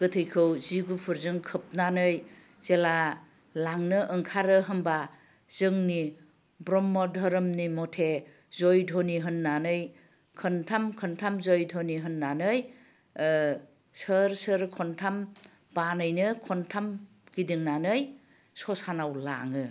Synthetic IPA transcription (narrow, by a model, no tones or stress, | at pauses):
ɡ̥ɯtʰɯjkʰɯwziɡupʰuɾzɯŋkʰɯp̚nanɯj | z̥ela | laŋnɯʔɯŋkʰaɾɯɦɯmba | z̥ɯŋni | bɾɔmːɔdʱɔɾɯmnimɔtʰe | zɔjdʱɔniɦɯnːanɯj | kʰɯntʰamkʰɯntʰamzɔjdʰʱɔniɦɯnːanɯj | səɾsɯɾkʰɔntʰam | banɯjnɯkʰɔntʰam | ɡ̥idiŋnanɯj | sɔsanawla̰ŋɯ